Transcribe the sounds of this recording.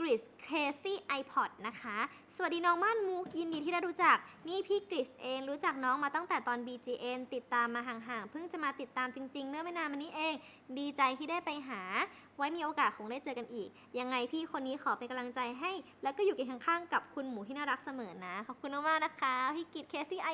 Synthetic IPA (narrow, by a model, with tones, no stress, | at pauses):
kɾi˨˩skʰeː˧siː˥˩ʔa˧jpʰɔ˨˩t̪̚na˦˥kʰa˦˥su˨˩diː˧nɔː˦˥ŋmaː˥˨nmu˦˥˩k̚ji˧ndiː˧iː˥da˥˩ɾu˦˥t͡ɕa˨˩k̚niː˥˩pʰiː˥˩kɾi˨˩sʔeː˧ŋɾuː˦˥t͡ɕa˨˩k̚nɔː˦˥ŋmaː˧t̪ɔ˥˩ŋt̪ɛː˨˩t̪ɔː˧nbiː˧t͡ɕiː˧ʔe˧nt̪i˨˩t̪ːaː˧mːaː˧ɦaː˨˩ŋɦaː˨˩ŋpʰɯ˥˩ŋt͡ɕa˨˩maː˧t̪i˨˩t̪ːaː˧mt͡ɕi˧ŋt͡ɕi˧ŋmɯ˥˩əma˥˩˨naː˧mʔa˧nːiː˦˥ʔeː˧ŋ | diː˧t͡ɕa˧jt̪ʰiː˥˩daː˥˩jpa˧jɦaː˩˦ | wa˦˥jmiː˧ʔoː˧kaː˨˩t̪̚ʰo˧˩ŋdaː˥˩jt͡ɕɤː˧ka˧nʔiː˨˩k̚ | ja˧ŋːa˧jpʰiː˥˩kʰo˧nːiː˦˥xʰɔː˨˩˦pe˧nka˧mla˧ŋt͡ɕa˧jɦa˥˩jlɛ˦˥wkɔː˥˩juː˨˩ke˨˧˩nkʰa˥˩ŋkʰaː˥˩ŋka˨˩p̚kʰu˧nmuː˩˦tʰiː˥˩naː˥˩ɾa˦˥k̚sa˧mɤː˩˦na˦˥kʰɔ˨˩p̚kʰu˧nɔ˥˩waː˥˩na˦˥kʰa˦˥pʰiː˧˥˩ki˨˩t̪̚kʰeː˦˥siː˥˩ʔ